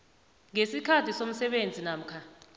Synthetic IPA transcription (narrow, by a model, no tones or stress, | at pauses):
ŋesikʰatʰisom̩sɛɓend͡zʱinaːm̩kʰa